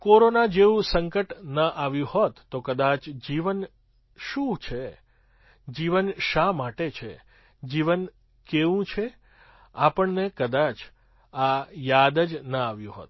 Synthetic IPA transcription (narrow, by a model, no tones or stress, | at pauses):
koɾonad͡ʒeʋũsəŋkəʈnəʔaʋjũhot̪ːokəd̪at͡ʃd͡ʒiʋən | ʃũt͡ʃʰe | d͡ʒiʋənʃamaʈet͡ʃʰḛ | d͡ʒiʋən | keʋũt͡ʃʰe | apəɳnekəd̪at͡ʃ | ajad̪əd͡ʒnəaʋjũɦo̰t̪̚